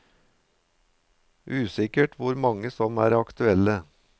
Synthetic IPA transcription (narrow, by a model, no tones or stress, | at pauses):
ʔʉːsɪkəʈʰʋʊɾmɑŋəsɔmæːɾɑkt̪ʉɛlə